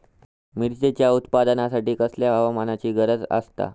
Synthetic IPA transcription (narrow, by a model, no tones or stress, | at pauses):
miɾt͡ɕet͡ɕjaut̪pad̪ənasaʈiːkəsljaɦaʋamanat͡ɕiːɡəɾəd͡zə̰st̪a̰